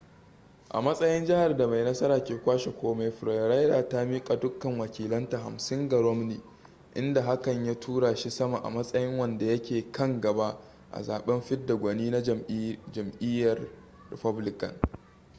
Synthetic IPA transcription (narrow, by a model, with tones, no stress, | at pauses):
ʔa̰˨mɐ˦sʼɐ˦jɪ˦nd͡ʒɪ˦ha˨rda˨ma˨jnɐ˦sɐ˦ɾaː˨kʲeː˨kʷaː˦ʃe˨kʷoː˦ma˦jɸɪ˨ɾɐ˨ɾa˦jdaː˨ta˦mi˦kʼa˨dʊ˦kːɐ˨ŋwɐ˨kʲiː˨lɐ˦nta˨ɦa̰˨msɪ˦ŋɡɐ˨ɾɔ˦mniː˨ | ʔɪ̰˦nda˨ɦa˦kɐ˨ɲja˦tʰuː˦ɽaː˨ʃi˦sɐ˦ma˨ʔa̰˨mɐ˦sʼɐ˦jɪ˦ŋwɐ˨nda˨jɐ˦kʲeː˨kɐ˦ŋɡɐ˨ba˦ | ʔa̰˨za̰ː˨ɓɛ˦mɸɪ˦dːa˨ɡʷɐ˨niː˦na˦d͡ʒɐ˨mʔɪ˦jːɐ˨r | rɪ̰˨pɐ˦blɪ˦kɐ̰˨n